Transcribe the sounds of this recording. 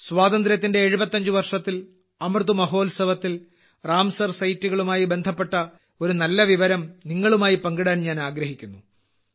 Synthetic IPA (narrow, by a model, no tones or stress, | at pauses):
sʋaːd̪ɐnd̪ɾɐt̪ːinde̞ːɻubɐt̪ːɐɲd͡ʑɨʋɐrʂɐt̪ːil | ɐmrd̪umɐɦo̞ːlsɐʋɐt̪ːil | raːmsɐrsɐjtːuɣɐɭumaːjibe̞nd̪ʱɐpːe̞ʈːɐ | o̞ɾunɐlːɐʋiʋɐɾɐmniŋːɐɭumaːjipɐŋɡiɽaːnɲaːnaːɡɾɐɦikʲːunːu